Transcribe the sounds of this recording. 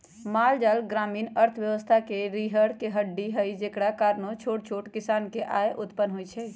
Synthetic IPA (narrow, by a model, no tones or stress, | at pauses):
mald͡ʒalɡɾamiːnəɾt̪ʰəʋjəʋəst̪ʰakeɾiɦəɽkeɦəɖːiɦəid͡ʒekɽakaɾnot͡ʃʰoʈt͡ʃʰoʈkisaːnkeʔaeʔʊt̪pənɦojt͡ʃʰɛ